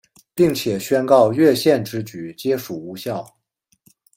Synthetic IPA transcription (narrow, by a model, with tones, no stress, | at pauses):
pi˥˩ŋt͡ɕʰjɛ˨˩ɕɥɛ˥nkɑ˥˧ʊɥɛ˥˧ɕjɛ˥˧nʈ͡ʂɻ̩˧˥t͡ɕy˨˩t͡ɕjɛ˥ʂu˨˩u˧˥ɕjɑ˥˩ʊ